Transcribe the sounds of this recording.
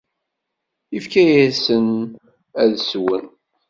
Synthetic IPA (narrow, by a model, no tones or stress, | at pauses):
ifkæjæsən | æðswən